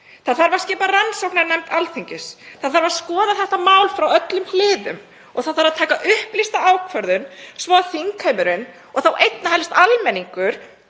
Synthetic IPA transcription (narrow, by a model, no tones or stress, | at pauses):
θaðθaɾvaɾ̥scɪːparansowknaɾnɛmt̪alθiɲcɪsθaðθaɾvaɾ̥skɔːðaθɛht̪amaːwlfɾawœt̪lʏml̥ɪːðʏ̰m | ɔɣθaðθaɾaðt̪ʰaːkaʔʏhplist̪aaːwkʰvœɾðʏnsvɔːaθiŋkʰœjmʏɾɪn | ɔɣθawʔejt̪nahɦaɛlɪst̪almɛnːiŋkʏɾ̥